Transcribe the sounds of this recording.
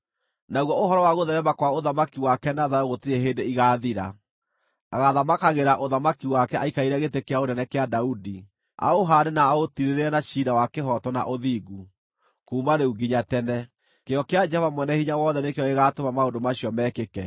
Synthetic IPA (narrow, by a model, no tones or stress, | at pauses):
naɣwɔohɔɾɔwaɣoðɛɾɛmakwaoðamakiwakɛnaðaɾoɣotieɦeːndeiɣaːðiɾa̰ | aɣaðamakaɣeɾaʔoðamakiwakɛʔaikaiɾɛɣetekeaoɾɛnɛkeadaudi | a̰oɦaɾenaːotiɾeɾeɛnaʃiɾawakeɦɔtɔna̰ʔoðiɡu | kuːmaɾeuɡiɲatɛnɛ | keɔkead͡ʒɛhɔvamwɛnɛhiɲawɔðɛnekeɔeɣatomamaondomaɕiɔmɛkekɛ